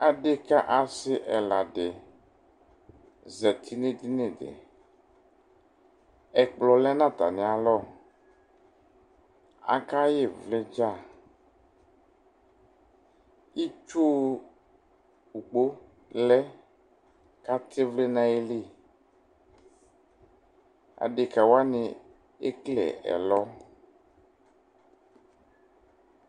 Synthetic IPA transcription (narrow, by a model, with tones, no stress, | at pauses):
a˨ɖe˦ka˦ʔa˨sɪ˦ʔɛ˨la˨ɖe˨ | zɛ˨t̪ʰi˦nẽ˦t̪i˦ne˦˨dḛ˨ | ɛ˨k͡plɔ˨lɛ˦nã˦˨t̪a̰˨nẽ˨a˨lɔ˦˨ | a̰˨ka˦je˦˨vle˦d͡ʒa˦˨ | i˦t͡ʃo˦ | u˨k͡po˦ | lɛ˦ | ka˦t̪ʰe˦vle˦nã˦e˦le˦˨ | a̰˨ɖɪ˨ka˨wa˦nɪ˨ | e˦klɛ̰˨ɛ̰˨lɔ˦